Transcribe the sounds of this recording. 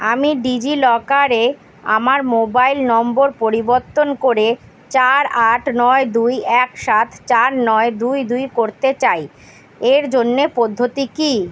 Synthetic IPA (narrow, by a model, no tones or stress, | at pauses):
amiɖid͡ʑilɔkaɾe | a̰maɾmobailnɔmboɾpoɾiboɾt̪onkoɾe | t͡ɕaɾaʈnɔed̪ujɛkʃat̪ʰt͡ɕaɾnɔed̪ujd̪ujkoɾt̪et͡ɕaj | eɾd͡ʑonːepod̪ʱːot̪iki